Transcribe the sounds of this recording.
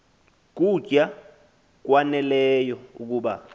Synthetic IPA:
k̬ud͡ʒ̥ʼʱa | k̬wanɛlɛjɔuk̬uːɓa

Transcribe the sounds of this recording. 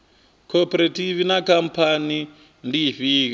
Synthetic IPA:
kʰopeɾativinakampani | ndiɸiːka

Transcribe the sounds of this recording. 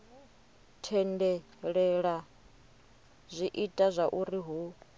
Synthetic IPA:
tʰɛndɛ | ɺɛɺa | zʷiʔitʼazʷaʔuɾiɦu

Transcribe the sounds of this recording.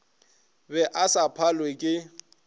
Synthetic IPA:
bɛʔasapʰalwekʼɪ

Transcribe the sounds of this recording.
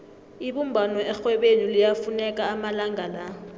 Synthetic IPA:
iɓum̩bʱanɔɛxwɛɓenilijafunɛkʼaːmalaŋala

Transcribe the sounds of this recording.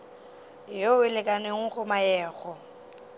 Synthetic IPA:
joɪlɪkʼaneŋ̩χʊmaɛːɣɔ

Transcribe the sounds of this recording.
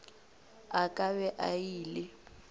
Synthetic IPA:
akʼaβɛʔajiːlɪ

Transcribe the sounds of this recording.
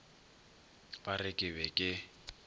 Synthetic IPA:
barɪkʼɪbɛkʼɪ

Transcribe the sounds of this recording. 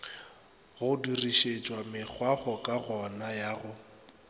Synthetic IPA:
ɣʊdiriʃet͡ʃʼwamɪk͡xʰwaχɔkʼaɣɔnajaːɣʊ

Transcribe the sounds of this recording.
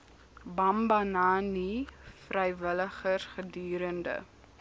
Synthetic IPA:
bɐmbɐnaːnifrɛjvələχərχədyːɾəndə̰

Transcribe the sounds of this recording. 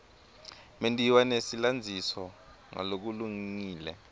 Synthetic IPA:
mentʼiwanesiland͡zʱisɔ | ŋa̰lok̬uluŋiːlɛ̰

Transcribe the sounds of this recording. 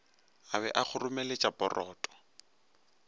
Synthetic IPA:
abɛʔak͡xʊrʊmɛlet͡ʃʼapʼɔrʔɔːtʼɔ̥

